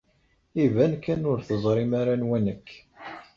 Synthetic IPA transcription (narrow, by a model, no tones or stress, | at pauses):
ivænkːænʊɾθəzˤɾˤɪmaɾanwænəkː